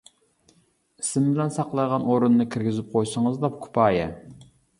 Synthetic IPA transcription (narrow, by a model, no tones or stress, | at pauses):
isɪmbɪlɛnsɑqlˠɑjʁɑnoɾunːɨkʲʰiɾɡʲizɪp̚qʰojʃəŋəzd̪ɑpkʰʊ̥pʰɑːjɛ